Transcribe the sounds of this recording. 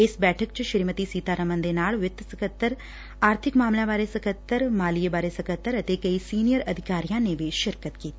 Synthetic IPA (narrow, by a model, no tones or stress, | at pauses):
ɪsbɛːʈʰək̚t͡ʃʃɪɾmət̪isiːt̪aːɾəmə̃nd̪eːnaːɭʋɪt̪ːsəkət̪ːəɾ | aːɾt̪ʰɪkmaːmlãbaːɾesəkət̪ːəɾmaːliebaːɾesəkət̪ːəɾət̪ekəisiːnijəɾɐd̪ʱɪkaːɾijãːneʋiʃɪɾkət̪kiːt̪ː